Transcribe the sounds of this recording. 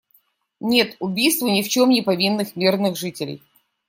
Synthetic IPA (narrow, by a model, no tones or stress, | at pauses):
nʲe̞t̪ʊbʲijst̪vʊnʲɪft͡ɕo̞mnʲɪpɐvʲinːɨxmʲirnɨxʐɨtʲɪlʲɪ̰j